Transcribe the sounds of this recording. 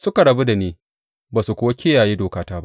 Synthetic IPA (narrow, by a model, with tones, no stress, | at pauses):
sʊ˦ka˨ɽɐ˨bu˦da˨neː˦ | baː˨su˨kʷo˦wa˦kʲeː˦jaː˨jiː˦doː˨kaː˦taː˦ba˦ʔ